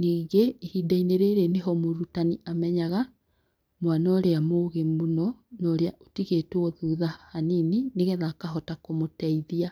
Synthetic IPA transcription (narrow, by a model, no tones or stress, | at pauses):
niːɡeːhiːdaineɾeɾeneɦɔmoɾutaniʔamɛɲaɣa | mwanaoɾeamoɣemunɔnɔɾeaʔotiɣetwɔðuːðahaninineɣɛðakaɦɔtakomotɛiðia